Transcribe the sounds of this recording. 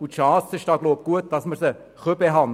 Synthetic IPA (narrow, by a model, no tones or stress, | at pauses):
ut̪ʃɑːsɪʃd̥ɑːɡloʊb̚ɡ̥uət̪̚d̥ɑsməɾsə | χøbeɦɑn